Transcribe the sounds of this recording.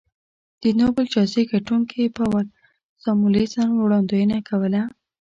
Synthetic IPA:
d̪̥ənobəlt͡ʃɑzeɡaʈuŋkipawal | sɑmulesɑnwɽɑnd̪ojənakʰawəla

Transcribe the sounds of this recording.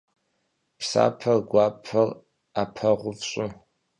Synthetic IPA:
pʰsa̰ːpʰɐrɡʷaːpʰɐr | apʰɐʁʷʊvɕʼʊ

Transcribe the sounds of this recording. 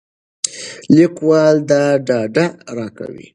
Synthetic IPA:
likwɑld̪aɖɑɖaɾɑka̰wḭ

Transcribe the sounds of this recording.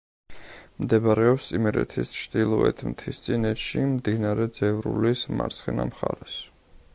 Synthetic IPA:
md̪ɛbɾɛɔpssʼimɛɾɛ̰t̪ʰist͡ʃʰd̪ilˠɔɛt̪ʰmt̪ʰist̪sʼinɛt̪ʃimd̪inaɾɛd̪zɛvɾṵlisma̰ɾt̪sʰχɛna̰mχaɾɛs

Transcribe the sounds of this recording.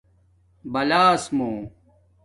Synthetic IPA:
bɐlaːsmoː

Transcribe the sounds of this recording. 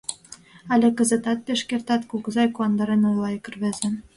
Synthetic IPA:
ælʲĕkə̆zĕt̪ɑt̪̚peʃkʲert̪ɑt̪kukɤ̆zɑjkuɑnd̪ɑɾenojlˠɑjkɤ̆rβĕzʲĕ

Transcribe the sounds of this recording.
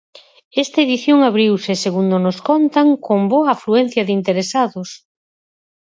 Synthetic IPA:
ɛst̪aeðiθjoŋaβɾiwsɪseɣund̪onoskɔnt̪aŋkomboaːfluɛn̟θjɐðɪint̪eɾesaðʊs

